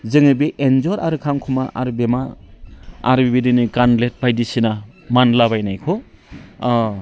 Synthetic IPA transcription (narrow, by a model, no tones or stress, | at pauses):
zɯŋɯbiʔenzɔɾaɾɯkʰamkʰumaʔa̰ɾɯbema | a̰ɾɯbibidinɯkanlet̚bajdisina | manlaβajnajkʰɔ